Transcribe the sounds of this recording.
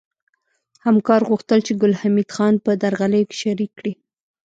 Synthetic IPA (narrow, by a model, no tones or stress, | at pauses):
hamkɑɾɣuxt̪əlt͡ʃeɡʊlhamid̪xɑnpəd̪aɾɣaləjoke̥ʃaɾikːɽi